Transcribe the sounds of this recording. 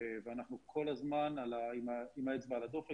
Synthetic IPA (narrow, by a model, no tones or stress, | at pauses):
veanaχnukʰo̞lazmanalaimaimaet͡sbaːlad̪o̞fe